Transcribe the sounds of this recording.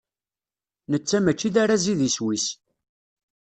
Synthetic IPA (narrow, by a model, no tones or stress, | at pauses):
nət͡sːæmæt͡ʃːiðaɾaziðiswis